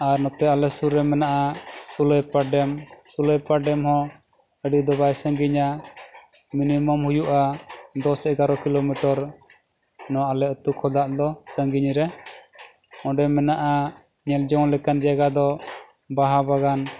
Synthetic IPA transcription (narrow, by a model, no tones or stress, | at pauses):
aɾnɔt̪ɛalɛsuɾɛmɛnaʔasuləjpaɖɛmsuləjpaɖɛmɦɔ̃ | əɖid̪ɔbajsə̃ŋɡiɲa | minimɔmhujuʔad̪ɔsɛɡaɾɔkilomiʈɔɾ | nɔ̃ʔalɛɔt̪ukʰɔd̪aʔd̪ɔsə̃ŋɡiɲɾɛ | ɔ̃ɖɛmɛnaʔa | ɲɛld͡ʒɔŋlɛkand͡ʒaɡad̪ɔ | baɦabaɡan